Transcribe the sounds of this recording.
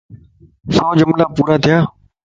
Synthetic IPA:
sɔːd͡ʒʊmlaːpuːɾaːt̪ʰɪjaː

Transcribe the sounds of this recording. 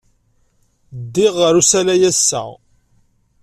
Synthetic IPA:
d̪ːɪʁːəɾusælæjæsːæ̰

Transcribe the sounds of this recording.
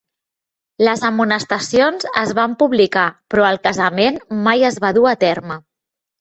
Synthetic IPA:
ləzəmunəst̪əsionzə̰zβampuβlikapɾɔəlˠkəzəmenmajəzβaðuat̪ɛrmə

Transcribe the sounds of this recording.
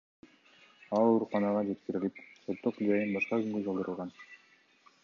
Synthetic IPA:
ɑlˠoɾuqɑnɑʁɑd͡ʒe̞t̪kiɾilipsot̪ːoqd͡ʒɑjɯnbɑʃqɑɡyŋɡød͡ʒolˠd̪ɯɾɯlˠʁɑn

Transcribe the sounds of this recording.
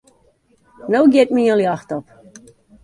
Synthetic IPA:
noːɡjɪt̚miəlˠjaxtɔp

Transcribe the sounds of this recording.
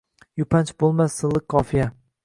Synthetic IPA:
jʊpʰant͡ʃbolˠmasːɨlːˠɪkkʰɒfija

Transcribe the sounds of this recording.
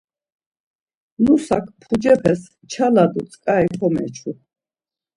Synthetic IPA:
nusa̰kʰpʰud͡ʒɛpʰɛs | t͡ʃʰalad̪ut͡sʼkʼaiχʰɔmɛ̰t͡ʃʰu

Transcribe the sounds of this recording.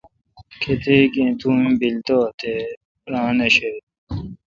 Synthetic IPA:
kʰet̪eːkẽt̪ũːmbilt̪oːt̪ʰe | ɾãːnɐɕe

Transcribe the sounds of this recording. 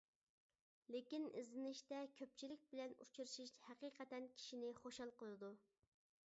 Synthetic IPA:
lekʲinɪ̰zɪnɪʃt̪ɛkʲʰøp̚t͡ʃʰilɪk̚ʲbɪlɛnṵt͡ʃʰuɾɨʃiʃhæqiːqʰɛt̪ɛnkʲʰi̥ʃinɪχoʃɑlˠqəlˠɨd̪u

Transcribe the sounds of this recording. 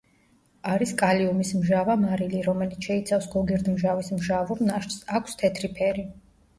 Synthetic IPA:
aɾiskʼaliumismʒavamaɾiliɾɔmɛlit̪sʰʃɛit̪sʰafsɡɔɡɛɾd̪mʒavismʒavɔmnaʃsakʷʰst̪ʰɛt̪ʰɾipʰɛɾi

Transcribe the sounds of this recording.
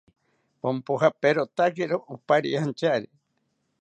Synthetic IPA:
pompoɦapeɾot̪akeɾoʔupaɾḭaant͡ʃaɾi

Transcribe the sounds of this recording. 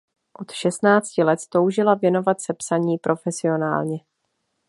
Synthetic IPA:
ʔo̞t̪ʃɛst̪naːt͡scɪlɛt̪t̪o̞wʒɪlavjɛno̞vat̪sɛpsaɲiːpɾʔo̞fɛsɪo̞na̰ːlɲɛ

